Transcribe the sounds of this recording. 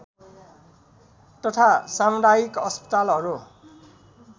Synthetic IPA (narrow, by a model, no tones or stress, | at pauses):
t̪ʌt̪ʰasamdaikʌspʌ̥t̪alɦʌɾu